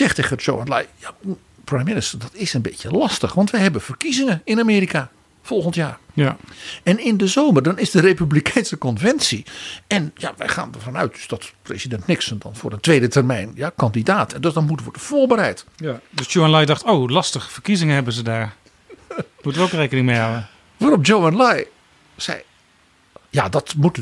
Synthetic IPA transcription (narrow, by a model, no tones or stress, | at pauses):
zɛχteɣəd͡ʒo̰wanlajja | prajmɪnɪstədɑtɪsənbetjəlɑstəχʋɑntʋɛjɦɛbənv̥ərkizɪŋəɪnamɪːɾika | fɔlˠχəntjaːrjɛnɪndəzoːmərdɑnɪzdərejpyblikʰɛjnsəkɔnvɛnsiɛnja̰ʋɛ̰jχa̰ːndərvɑnœ̰ɥt̚døsd̥ɑtprḛzidɛntnɪksəndɔ̰nfʊ̰ːrdəntʋejdətərmɛjnjakɑndidaːtɛndøsdɔnmutəʋɔdəv̥oːɹbəɾɛjtjdøsdjowanlɑjdɑχtowlɑstəχəfərkizɪŋəɦɛbənzədaːɹ | mutəʋəowkrejkənɪŋmejɦawə | ʋaːɾɔpd͡ʒowanlaj | sɛ̰j | jadɔtmutə